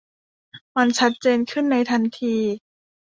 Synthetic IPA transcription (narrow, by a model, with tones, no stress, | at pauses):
ma˧nt͡ɕʰa˦˥t̪̚t͡ɕeː˧nkʰɯ˥˩nːa˧jt̪ʰa˧nt̪ʰiː˧